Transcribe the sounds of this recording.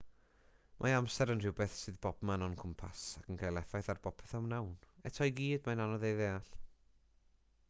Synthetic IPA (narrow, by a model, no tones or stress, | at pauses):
mʔaamsɛɾənr̥ɪwbɛθsɨðbɔb̥manɔnkʰʊmpʰasakʰənɡʰajlˠɛfajθarb̥ɔpʰɛ̥θawnawnɛtʰɔjɡiːdmananɔðejðeːaɬ